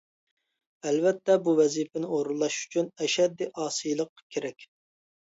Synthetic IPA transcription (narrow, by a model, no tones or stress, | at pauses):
ɛlvɛt̪ʰːɛbuwɛzipɪnɪoɾulˠːɑʃy̥t͡ʃʰynɛʃɛd̪ːiʔɑːsijlˠəqːkʲʰeɾɛkʲ